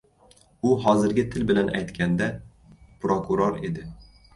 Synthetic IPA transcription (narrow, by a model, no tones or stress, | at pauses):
ʊɦɒzɪɾɡʲɪt̪ʰɪlbɪlana̰jt̪kʲʰand̪a | pɾokʰuɾoɾe̞d̪ɪ